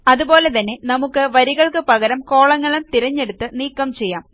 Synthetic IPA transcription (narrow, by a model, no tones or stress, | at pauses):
ɐðubo̞ːle̞t̪ɐnːe̞nɐmukːɨʋɐɾiɣɐɭkɨpɐɣɐɾɐmko̞ːɭɐŋːɐɭumt̪iɾɐɲːe̞ɽut̪ːɨniːkːɐmt͡ɕe̞jːaːm